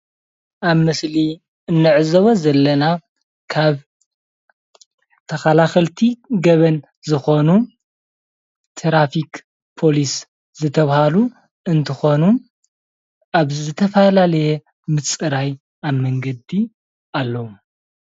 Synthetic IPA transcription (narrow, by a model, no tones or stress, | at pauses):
ʔaβmɨsli | ɨnːɨʕɨzɐβozɐlːɐna | kʰaβ | t̪ʰɐxalaxɐlt̪ʰiɡɐβɐn | zɨxo̞nu | t̪ʰɾafik | pʰo̞lis | zɨt̪ʰɐβhalu | ɨnt̪ʰɨxo̞nu | ʔaβzɨt̪ʰɐfɐlalɐjɛ | mɨt͡sʼɨɾaj | aβmɐŋɡɐd̪i | alːɐwu